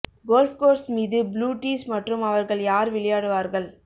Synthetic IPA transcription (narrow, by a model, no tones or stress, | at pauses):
ɡoːlfkoːɾsmiːðɯbluːʈːiːsmɐʈrɯmɐʋɐɾɣɐɭjaːɾʋɪɭɐjaːɽɯʋaːɾɣɐɭ